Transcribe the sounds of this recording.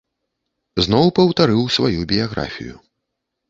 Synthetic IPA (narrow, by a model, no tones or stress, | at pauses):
znɔwpɐwt̪aɾɨwsvajubʲijaɣɾʔa̰fʲḭjṵ